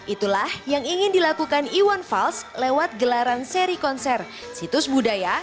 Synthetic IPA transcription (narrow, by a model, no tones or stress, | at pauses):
ʔit̪ulahjaŋiŋɪndilakukaniwɔnfalslewat̪̚ɡəlaɾanseɾikɔnsɛr | sit̪ʊsbudaja